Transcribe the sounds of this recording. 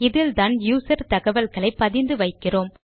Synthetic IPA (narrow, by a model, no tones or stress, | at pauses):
ɪðɪlt̪aːnjuːsɐɾt̪ɐɣɐʋɐlɣɐɭɐɪpːɐðɪnd̪ɯʋɐɪkːɪroːm